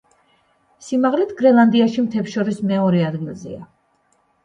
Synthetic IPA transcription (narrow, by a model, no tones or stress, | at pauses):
simaʁlɛt̪ʰɡɾɛlˠand̪iaʃimt̪ʰɛpʃɔɾismɛɔɾɛad̪ɡilˠzɛ̰a